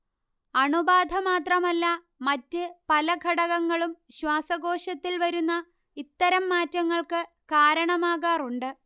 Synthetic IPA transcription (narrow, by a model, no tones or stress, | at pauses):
ɐɳubaːd̪ʱɐmaːt̪rɐmɐlːɐ | mɐtːɨpɐlɐɡʱɐɽɐɣɐŋːɐɭumɕwaːsɐɡo̞ːʂɐt̪ːilʋɐɾunːɐ | it̪ːɐɾɐmːaːtːɐŋːɐɭkɨ | kaːɾɐɳɐmaːɣaːruɳɖɨ